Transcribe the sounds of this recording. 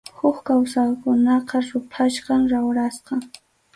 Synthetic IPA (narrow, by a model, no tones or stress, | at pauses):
hʊχkawsaχkʊnɑqɑɾʊpʰaʃqɑmɾawɾasqɑ